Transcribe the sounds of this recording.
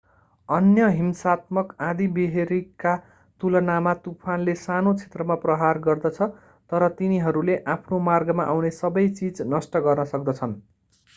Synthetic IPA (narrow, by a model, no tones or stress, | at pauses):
ʌnjʌɦimsat̪mʌkãd̪ibeɦeɾikːa | t̪ulʌnamat̪upʰanlesanot͡sʰe̥t̪rʌmaprʌɦarɡʌrd̪ʌt͡sʰʌ | t̪ʌɾʌt̪iniɦʌɾuleʔapʰnomarɡʌmaʔawnesʌbʌjt͡sid͡znʌsʈʌɡʌrnʌsʌkd̪ʌt͡sʰʌn